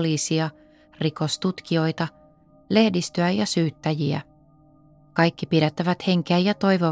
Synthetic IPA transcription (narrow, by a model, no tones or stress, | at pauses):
liːsiɑ | riko̞st̪ut̪kio̞jt̪ɑ | le̞hdist̪øæjɑsyːt̪ːæjiæ̰ | kɑjkːipiɾet̪ːæʋæt̪he̞ŋk̟eæjɑt̪o̞jʋo